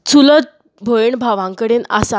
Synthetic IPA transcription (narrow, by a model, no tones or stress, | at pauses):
t͡sʰulət̪̚ | bʱoeɳbʱaʋãŋkəɽenasa